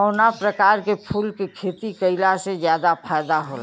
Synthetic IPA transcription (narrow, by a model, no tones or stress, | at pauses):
ɔːnapɾəkaːɾkepʰuːlkekʰeːt̪ikəɪlased͡ʒjaːd̪apʰajd̪aɦola̰